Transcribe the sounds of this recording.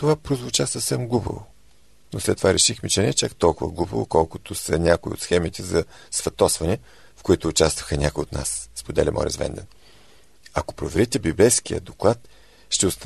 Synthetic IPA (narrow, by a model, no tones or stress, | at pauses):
t̪ovapɾozvʊt͡ʃasəfsɛmɡlˠubɐ̰vʊ | noslɛt̪ːovaɾɛʃixmɛt͡ʃɛnɛt͡ʃakt̪ɔlˠkʊvəɡlˠubəvʊ̰kɔlˠkʊt̪osɐnʲakʊiot̪sxɛmit̪ɛzɐ | svɐt̪ɔsvɐnɛ | fkoit̪ʊːt͡ʃast̪və̥xənʲʔakʊjiot̪na̰sspod̪ɛ̰lʲimɔ̰ɾʲʔɛ̰svɛ̰nd̪ɛ̰n | ɐko̥pɾovɛɾit̪ɛbibɛjsk̟ijə̰d̪oklˠat̪ | ʃt̪ɛʊst̪